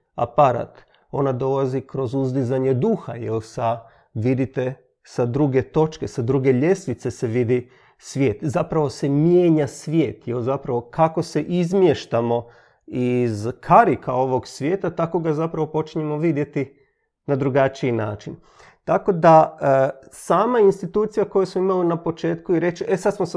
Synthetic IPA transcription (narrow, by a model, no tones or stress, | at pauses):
a̰paɾa̰ːt̪ | o̞nad̪o̞lazikɾo̞zuzd̪izaɲe̞d̪uxa̰jelsa | ʋid̪it̪e | sad̪ɾuɡe̞t̪o̞t͡ʃke̞sad̪ɾuɡe̞ʎe̞sʋit̪se̞seʋid̪i | sʋje̞ːt̪zapɾaʋo̞se̞mjeːɲasʋje̞ːt̪jelzapɾaʋo̞kako̞se̞ʔizmjeʃt̪amo̞ | izkʰaɾikʰao̞ʋo̞ɡsʋje̞ːt̪at̪ako̞ɡazapɾaʋo̞po̞t͡ʃiɲe̞mo̞ʋid̪je̞t̪i | nad̪ɾuɡat͡ʃiinaːt͡ʃin | t̪ako̞d̪a | saːmainst̪it̪uːt̪sijako̞jesmoimalinapo̞t͡ʃe̞ːt̪kuiɾe̞t͡ʃʔesad̪smos